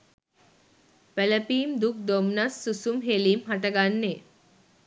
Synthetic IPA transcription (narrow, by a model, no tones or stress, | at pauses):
pæləpiːmd̪uk̚d̪omnasːusumɦeliːmɦaʈəɡanːe